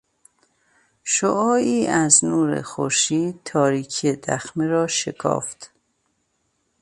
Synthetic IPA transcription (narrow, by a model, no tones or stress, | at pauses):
ʃoʔɒːiːæznuːɾḛxo̰ɾʃiːt̪ʰɒːɾiːkʰed̪æ̰xmeɾɒːʃekʰɒ̰ːft̪